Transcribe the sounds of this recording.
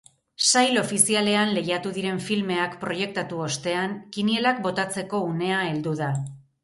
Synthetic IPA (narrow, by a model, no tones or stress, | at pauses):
sajlo̞fisiale̞anle̞jat̪uðiɾe̞ɱfilme̞akpɾo̞je̞k̚t̪at̪uo̞st̪e̞aŋkinie̞lak̚bo̞t̪at͡se̞ko̞une̞ae̞ld̪uða